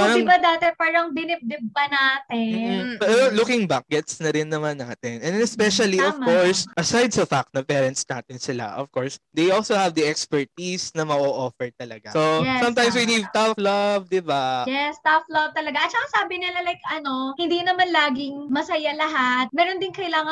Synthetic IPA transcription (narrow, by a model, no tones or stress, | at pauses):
aɾɐɪbɐd̪aːt̪ɛpaːɾɐŋbɪnɪb̚d̪ɪb̚pɐnaːt̪ɛpɛɾɛolʊkɪŋbak̚ɡ̥ɛt̪snɐɾɪnːɐmanːa̰ːt̪ɪnʔɛnd̪nɛspɛʃɐliɔvkoɹsʔɐsajd̪̚sɐfak̚t̪̚nɐpɛːɾɛnt̪̚sna̰ːt̪ɪnsɪla̰ʔɔ̰v̥koɹsd̪ejʔolsohɐvd̪ɐʔɛkspɛɹt̪isnɐmɐʔoʔofɛɹt̪ɐlɐ̰ɡasojɛsɐmt̪ãjmswinivt̪aflɐvd̪ɪbajɛst̪aflɐvt̪ɐlɐɡaʔɐt̪t͡ʃɐkasaːbɪnɪlalajkʔɐno̞hɪnd̪inɐmanlaːɡɪŋmɐsɐjalɐɦat̪̚mɛːɾond̪ɪŋkɐjlaːŋɐ